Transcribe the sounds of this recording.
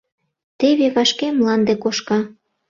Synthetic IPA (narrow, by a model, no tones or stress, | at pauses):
t̪eβeβɑʃkemlɑnd̪ekoʃkɑ